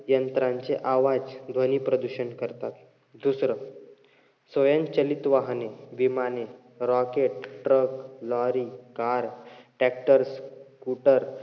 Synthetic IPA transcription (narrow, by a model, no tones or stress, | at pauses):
jənt̪ɾãɲt͡seʔaʋad͡zd̪ʱənipɾəd̪uɕənkəɾt̪at̪ | d̪usɾə | sʋəjə̃nt͡ɕəlit̪ʋaɦneʋimane | ɾɔkeʈ̚ʈɾəklɔɾikaɾʈɛk̚ʈəɾskuʈəɾ